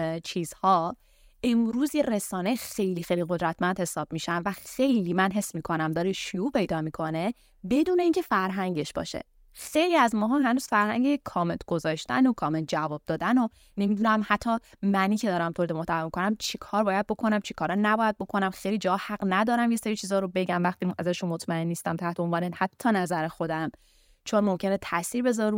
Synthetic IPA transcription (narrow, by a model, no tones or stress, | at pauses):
t͡ʃʰiːz̥hɒː | ʔemɾuːzjeɾe̞sɒːnejxe̞jlixejliɣod̪ɾæt̪ʰmænd̪he̞sɒːb̥miʃænvæxe̞jliːmænɦe̞sːmiːkʰo̞næmd̪ɒːɾeʃujuːpʰe̞jd̪ɒːmiːkʰo̞ne̞ | be̞d̪uːne̞iːŋcʰefæɾɦæŋɟe̞ʃb̥ɒ̰ːʃḛ | xe̞jliæzmɒːɦɒmɦænuːz̥fæɾhæ̰ŋɟejekʰɒːment̪ʰɡ̥ozɒːʃt̪æ̰nokʰɒːment̪̚d͡ʒævɒːb̚d̪ɒːd̪æno | ne̞mid̪uːnæmhæt̪ʰːɒmæniːcʰe̞d̪ɒːɾæmt̪ʰoɾid̪emoht̪ʰæemikʰo̞næmt͡ʃʰikʰɒːɾbɒːjæd̪̚bo̞kʰo̞næmt͡ʃʰi̥kʰɒːɾɒnæbɒːjæd̪̚bo̞kʰo̞næmxejlid͡ʒɒhæɡnæd̪ɒːɾæmje̞seɾiːt͡ʃʰiːzɒːɾo̞be̞ɟæmvæχt̪iæzæʃunmot̪ʰmæenːist̪æmt̪ʰæht̪ʰeonvɒːnehæt̪ʰːɒːnæzæɾexod̪æm | t͡ʃʰo̞nmomcʰenet̪ʰæsiːɾbe̞zɒɾu